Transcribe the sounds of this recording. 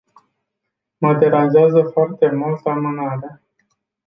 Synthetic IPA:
mat̪e̞ɾazɪazəfoart̪e̞mult̪əamɨnaɾea

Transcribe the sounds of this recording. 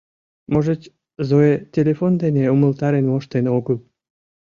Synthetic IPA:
moʒet͡ɕ | zoetʲelʲefond̪eneuməlt̪ɑɾenmoʃt̪enoɣəl

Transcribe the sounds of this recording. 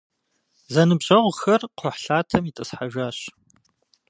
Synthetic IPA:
zɐnɨbɕʼɐʁʷxɐrqʷʰɔħɬaːtʰɐmitʼɨsħaʒaːɕ

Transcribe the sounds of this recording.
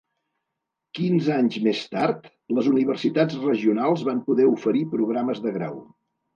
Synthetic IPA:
kinzaɲzmest̪art̪ | ləzuniβ̞ərsit̪ad͡zrəʒiunalˠzβampuðɛufəɾipɾuɣ̞ɾaməzðəɣɾa̰w

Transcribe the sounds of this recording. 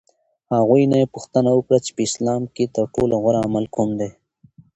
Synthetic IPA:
haɣujnaepuxt̪ənawəkɽat͡ʃe̥pəɪslɑmket̪əɾʈolaɣwaɾaːmalkʰumd̪e

